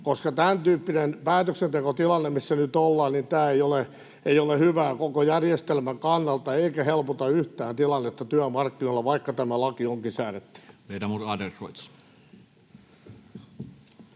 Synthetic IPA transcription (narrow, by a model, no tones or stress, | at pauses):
koskɑt̪ænt̪yːpːinenpæːt̪øksent̪ekot̪ilɑnːemisːænyt̪olːɑːnnint̪æːeijole | eijolehyʋæːkokojærjest̪elmæŋkɑnːɑlt̪ɑeikæhelpot̪ɑyht̪æːnt̪ilɑnːet̪ːɑt̪yæmɑrkːinoilːɑʋɑikːɑt̪æmælɑkioŋkisæːret̪ːy̥reit̪æmurɑːderroit̪s